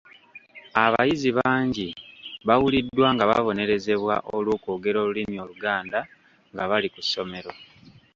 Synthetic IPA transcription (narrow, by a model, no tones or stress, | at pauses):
aβa̰jiziβaːɲɟiβawulidːwaːŋɡaβa̰βo̞ne̞ɾe̞ze̞βwa̰ʔoluːkoːɡe̞ɾo̞ːlulimio̞luɡaːnda | ŋɡaβalikusːo̞me̞ɾo̞